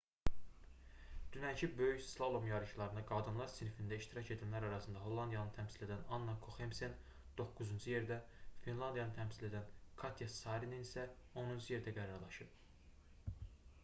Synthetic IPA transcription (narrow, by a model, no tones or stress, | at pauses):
d̪̥ynæncʰibøjyçslˠolˠomjɑɾɯʃɯlˠɑɾɯnɑɡɑd̪ɯnlˠɑɾsinifind̪æiʃt̪iɾɑcʰe̞d̪ænlæɾɑɾɑsɯnd̪ɑɦo̞lˠːɑnd̪jɑnɯt̪ʰæmsile̞d̪ænɑnːɑkʰoxemsen | d̪̥o̞kːuzund͡ʒuje̞ɾd̪æ | finlˠɑnd̪ijɑnɯt̪ʰæmsile̞d̪ænkʰɑt̪ʰjɑsɑɾininisæ | o̞nund͡ʒʰuje̞ɾd̪æɡæɾɑɾlˠɑʃɯp